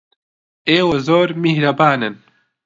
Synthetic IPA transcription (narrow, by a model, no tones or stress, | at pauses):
eːwɐzoːɾmihɾɐbaːnɨn